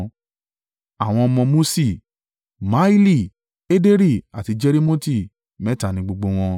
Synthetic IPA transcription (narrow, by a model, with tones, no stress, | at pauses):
a˨w̃ɔ̃˧ɔ˧mɔ̃˧mo˦si˦˨ | ma˨˦i˦li˦˨ | e˦de˦ɾi˦˨a˨ti˨˧d͡ʒe˦ɾi˦mo˦ti˦˨ | mɛ̃˦ta˨nĩ˧ɡ͡bo˧ɡ͡bo˧w̃ɔ̃˧